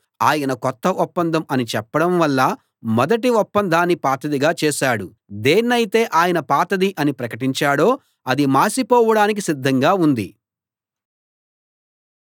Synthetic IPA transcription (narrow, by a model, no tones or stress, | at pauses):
aːjɐnɐkɔt̪ːɐʔɔpːɐnd̪ʱɐmɐnit͡ʃɛpːɐɽɐmʋɐlːɐ | mɔd̪ɐʈ̬iɔpːɐnd̪ʱaːnːipaːt̪ɐd̪iɡaːt͡ʃɛːʃaːɽu | d̪eːnːɐjit̪e̞ːʔaːjɐnɐpaːt̪ɐd̪iʔɐnipɾɐkɐʈ̬iɲt͡ʃaːɽo̞ː | ɐd̪imaːsipɔːʋɐɽaːnik̬isid̪ʱːɐŋɡaːund̪ḭ